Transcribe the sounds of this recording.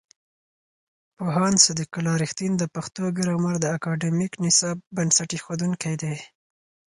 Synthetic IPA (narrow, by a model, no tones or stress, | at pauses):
poɦɑnsad̪ikʊlɑɾɪxt̪ind̪əpaxt̪oɡəɾamaɾd̪əakɑɖemiknɪsɑb̚bənsaʈixod̪uŋkajd̪ej